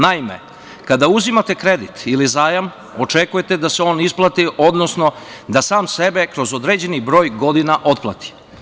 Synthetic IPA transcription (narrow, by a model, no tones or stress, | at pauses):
naime̞̰ | kad̪auzimat̪e̞kɾe̞d̪it̪ilizaːjam | o̞t͡ʂekuje̞t̪e̞d̪aseo̞ːnisplˠat̪iʔod̪no̞sno̞ | d̪asaːmse̞be̞kɾo̞zo̞d̪ɾed͡ʑe̞nibɾo̞ːjɡo̞d̪inaʔo̞t̪̚plˠa̰t̪i̥